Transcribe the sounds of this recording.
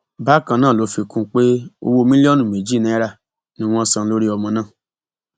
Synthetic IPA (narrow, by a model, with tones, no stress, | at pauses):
ba˦˨kã˧nãː˦˨lo˨˦fi˧kũ˦k͡pe˦o̰˧wo˧mĩ˦lɔ˦nũ˦˨me˨d͡ʒi˦˨nĩ˨˦ɾa˧˨ | nĩ˦w̃ɔ̃˦˧˦sã˧n̩˧˦lo˦ɾi˦ɔ˧mɔ̃˧nãː˦˨